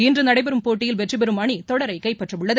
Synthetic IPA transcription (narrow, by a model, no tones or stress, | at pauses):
ɪndrɯnɐɽɐɪbɛɾɯmpoːʈːɪjɪlʋɛʈribɛɾɯmɐɳit̪ɔɽɐɾɐɪkɐɪpːɐʈrɐmɯɭːɐð